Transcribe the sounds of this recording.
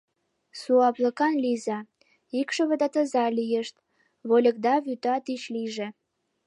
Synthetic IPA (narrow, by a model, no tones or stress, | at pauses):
suɑpləkɑnlizɑ | ikʃəβə̆d̪ɑt̪ə̆zɑlijəʃt̪̚ | βolʲə̆kd̪ɑβyt̪ɑt̪it͡ɕliʒĕ